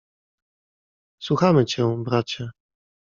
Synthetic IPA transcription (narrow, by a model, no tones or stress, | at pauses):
swuxamɘt͡ɕɛ̃bɾat͡ɕɛ